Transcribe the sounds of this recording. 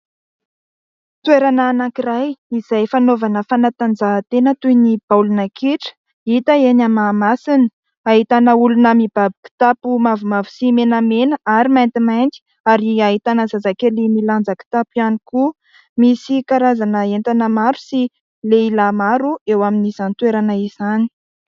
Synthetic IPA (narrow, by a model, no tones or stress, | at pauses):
t̪weɾanaːnakirajizajfanovanəfanat̪and͡zat̪enət̪ujnib̥alunəkʰiʈ͡ʂə̥ | it̪əenamamasini̥ | aɦit̪anəulunəmibabiki̥t̪apumavumavu̥simenamenəaɾimajnt̪imajnt̪i̥ | aɾiaɦit̪anəzazakelimiland͡zaki̥t̪apianiku | misikaɾazanəent̪anəmaɾu̥si | leilamaɾuewaminisant̪weɾanəiz̥ani̥